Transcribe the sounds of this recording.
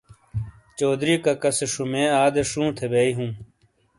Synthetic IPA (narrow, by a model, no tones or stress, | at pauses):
t͡ɕoːd̪ɾiːkakɐseʂumẽːaːd̪eʂũːt̪ʰebeːiɦũː